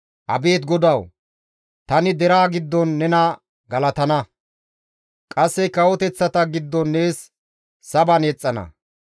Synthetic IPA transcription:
ʔɐ̰be̞ːt̪ɡɔd̪ɐw | t̪ɐnɪd̪ɛɾaːɡɪd̪ːɔnːɛnɐ | ɡɐlɐt̪ɐnɐ | kʼɐsːɛkɐwɔt̪ɛt͡sːɐt̪ɐɡɪd̪ːɔnːe̞ːsː | ɐbɐnɛt͡sʼːɐnɐ̰

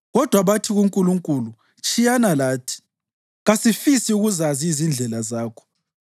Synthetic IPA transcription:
ɣɔd̥ʱwaβatʰiɣuŋkʼuluŋkʼulu | t͡ʃʼijanalaːtʰi̥ | ɣasifisiuɣuzaziːzind͡ɮʱɛlazaːkʰɔ̥

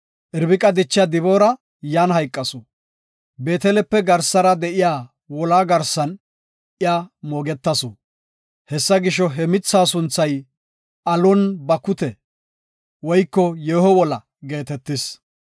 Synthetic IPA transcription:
ʔɪɾbɪkʼɐd̪ɪt͡ʃːɪjad̪ɪboːɾɐ | jaːnɦɐjkʼːɐsɔ | be̞ːt̪ɛlɛpːɛɡɐɾsːɐɾɐd̪ɛʔɪjaː | wɔlaːɡɐɾsːɐn | ʔɪjaːmoːɡɛt̪ːɐsɔ | hɛsːɐɡɪʃɔɦɛmɪt͡sːaːsʊnt͡sːɐj | ʔɐlɔnbɐkːʊt̪ɛ | wɔjkːɔjeːhɔwɔlɐ | ɡe̞ːt̪ɛt̪ːɪs

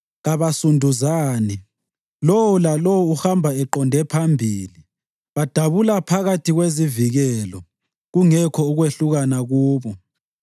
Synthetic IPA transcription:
ɣaβasundʱuzaːni | lowulalowuuhambʱaɛǃɔndʱɛpʰambʱiːli | βad̥ʱaβulapʰaɣatʰiɣweziviɣɛlɔ | ɣuŋɛkʰɔuɣweɬuɣanaɣuːβɔ

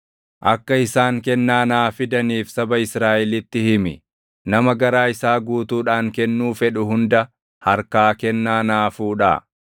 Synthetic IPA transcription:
ʔɐkːɐɪsaːŋkɛnːaːnaːfɪd̪ɐniːfsɐbɐɪsɾaːʔɛlɪt̪ːɪhɪmɪ | nɐmɐɡɐɾaːɪsaːɡuːt̪uːᶑaːŋkɛnːuːfɛᶑʊɦʊnd̪ɐ | hɐɾkaːkɛnːaːnaːfuːᶑaː

